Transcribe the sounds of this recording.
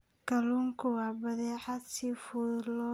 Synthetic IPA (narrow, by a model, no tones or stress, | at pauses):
kɐluːŋkʰʊwɑːbɐðɛːħad̪siːfʊlɔ